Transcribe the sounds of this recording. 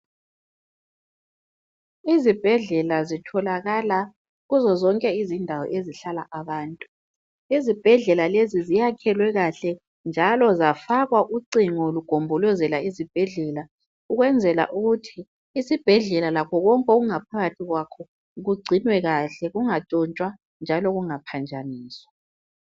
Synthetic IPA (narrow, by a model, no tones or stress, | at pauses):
izib̥ʱɛɮɛlazitʰɔlaɣala | ɣuzɔzɔŋkʼɛizindʱawɔ̰ʔeziɬalaʔaβaːntʼu | izib̥ʱɛɮɛlalezizijakʰɛlwɛɣaɬɛ | nd͡ʒʱalɔzafaɣwaʔuǀiŋɔluɡ̥ʱombʱɔlɔzɛlaizib̥ʱɛɮɛla | uɣwɛnd͡zʱɛla̰ʔuɣutʰiː | sib̥ʱɛɮɛlalakʰɔɣɔŋkʼoɣuŋapʰaɣatʰiɣwakʰɔ | ɣuɡ͡ǀʱinwɛɣaɬɛɣuŋatʼɔnt͡ʃʼwa | nd͡ʒʱalɔɣuŋapʰand͡ʒʱʼaniːswa